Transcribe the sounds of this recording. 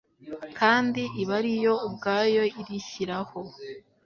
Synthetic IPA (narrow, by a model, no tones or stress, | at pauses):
kʰaːndiʔiβaɾijo̞ubɡaːjo̞iɾiçiɾaho̞